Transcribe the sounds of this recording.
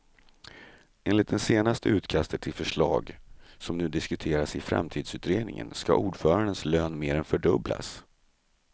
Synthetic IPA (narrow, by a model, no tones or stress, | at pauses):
ʔeːnlɪt̪̚d̪ɛnseːnast̪ʰəʉ̟ːt̪kʰast̪ət̪ʰɪlfœʂɭɑ̰ːɡsɔmnʉ̟ːd̪ɪskɵt̪ʰeːɾasɪfɾa̰mt̪ʰiːd̪sʉ̟ːt̪ɾeːd̪nɪ̰ŋə̰nska̰ʔuːɖfœːɾaɳɖ̪ənsløːnmeːɾɛnfœɖɵbla̰s